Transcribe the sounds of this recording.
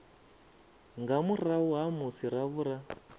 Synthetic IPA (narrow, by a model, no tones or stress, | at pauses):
ŋɡamurauɦamusiɾaβuɾa